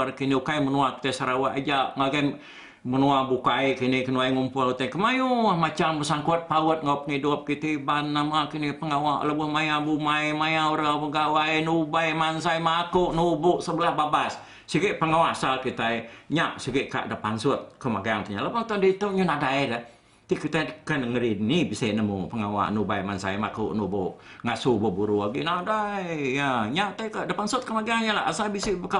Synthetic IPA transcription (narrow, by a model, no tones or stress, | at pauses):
rkiniukajmənuaki̥t̪ajsaɾawaʔad͡ʒaʔŋaɡa | mənuabukajkinɪkənuajŋumpʊlut̪ajkəmajumat͡ʃambəsaŋkʊt̪̚pawət̪̚ŋapəŋidʊp̚kit̪ibanːamakinipəŋawaʔləbʊhmajabumajmajauɾapəɡawajnubajmansajmakʊʔnubʊʔsəbəlahbabasː | iɡɪʔpəŋawaʔasalkit̪ajɲaʔsiɡɪʔka̰ʔdəpansʊt̪̚kəmaɡiaŋt̪uɲalapaŋt̪andit̪oʔɲənadajdə | t̪ikit̪akənəŋəɾinibiseʔnəmupəŋawa̰ʔnubajmansa̰jmakʊ̰ʔnubʊʔ | ŋasubobuɾuaɡinadaijaɲaʔt̪ajkaʔdəpansʊt̪̚kəmaɡiaŋɲalaasalbisibka